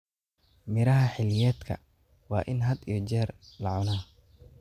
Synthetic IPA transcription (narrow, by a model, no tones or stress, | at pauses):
mɪɾɐɦɐħɪlɪjɛːd̪kʰɐ̰ | wɑːʔɪnɦɐd̪ijɞd͡ʒɛːrlɐʕʊnaː